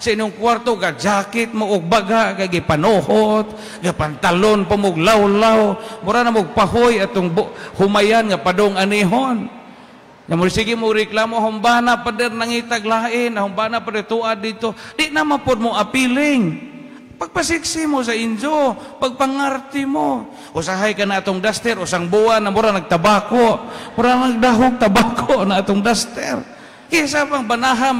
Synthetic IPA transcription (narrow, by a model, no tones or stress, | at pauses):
sainoŋkwart̪oɡad͡ʒakɪt̪̚moʔːɡ̚baɡaʔɡaɡipanohot̪̚ | ɡapant̪alonpamoɡlawlawmuɾanamoɡ̚paɦojat̪ʊŋbohʊmajanŋapadoŋaniɦon | ŋamʊɾisiɡimʊɡɾɪklamoɦombanapadɛrnaŋit̪aɡlaʔɪnaɦʊmbanapadɛrt̪uad̚it̪odiʔnamapʊd̚mʊʔapilɪŋ | paɡ̚pasiksimus̬aind͡ʒopaɡ̚paŋart̪imo | usaɦajkanaːt̪ʊŋdast̪ɛɾusaŋbuanamuɾanaɡ̚t̪abakoʔmuɾanaɡ̚daɦʊɡ̚t̪abakʰoʔnaat̪ʊŋdast̪ɛ̰r | ɡis̬apaŋbanaɦam